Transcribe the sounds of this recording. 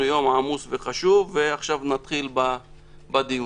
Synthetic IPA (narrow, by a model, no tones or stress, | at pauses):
jo̞mʕamusveχaʃuvːeaχʃavnat̪χilba | bad̪i